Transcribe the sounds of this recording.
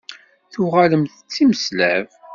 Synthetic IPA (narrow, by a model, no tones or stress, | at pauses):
θʊʁaləmθət͡sːiməslæv